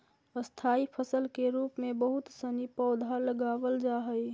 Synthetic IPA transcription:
əst̪ʰaːipʰəsəlkeɾuːpmẽbəɦʊt̪sənipɔʊd̪ʱaləɡaːʋəld͡ʒaɦəj

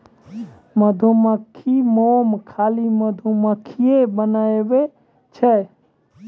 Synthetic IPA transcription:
məd̪ʱuməkʰimomkʰaːliməd̪ʱuməkʰijebənaeʋe | t͡ʃʰɛ

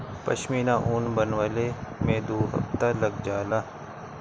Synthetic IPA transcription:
pɐ̰ʃmiːnãʔuːnbɐnʋəlemẽːd̪oːɦɐ̰ft̪alɐɡd͡ʒaːlaː

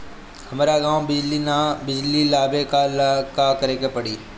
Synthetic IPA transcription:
hɐmːɾaɡãːwbɪd͡ʒlinabɪd͡ʒlilaːbekalkakɐɾeːkepɐɽiː

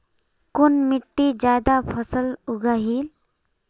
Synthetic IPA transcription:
kʊnmɪʈːid͡ʒaːd̪apʰəsəlʊɡaːɦiːl

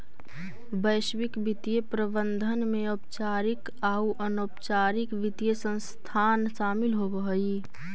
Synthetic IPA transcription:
bəjʃwɪkbɪt̪ijepɾəbə̃nd̪ʱənmẽopt͡ʃaːɾɪk | aːuʔənoːpt͡ʃaːɾɪkʋɪt̪ijesə̃nst̪ʰaːnʃaːmɪlɦobəɦəi

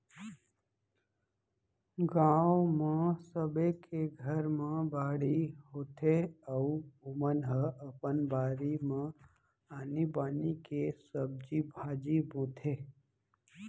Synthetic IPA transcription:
ɡãːwmẽsəbekʰeɡʱəɾmẽbaːɽiɦoːt̪ʰeəuʊmənɦəəpənbaːɾimẽ | aːnibaːnikesəb̚d͡ʒibʱaːd͡ʒibõt̪ʰe

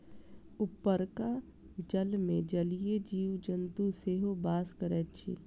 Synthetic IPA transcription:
ʊpːəɾka | d͡ʒəlmẽd͡ʒəlijed͡ʒiːʋd͡ʒə̃nt̪useːɦobaːskəɾɛːt͡ʃʰḭː

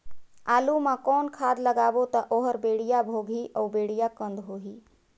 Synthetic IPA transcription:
alumãkɔnkʰad̪ləɡabot̪əʔoɦəɾbeɽ̤ijabʱoɡʱiʔəwbeɽ̤ijakə̃nd̪ɦoɦi

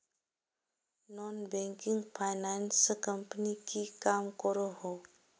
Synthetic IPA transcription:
nɔnbɛ̃ŋkɪ̃ŋɡpʰaɪnanskə̃mpənikikaːmkɔɾoɦo

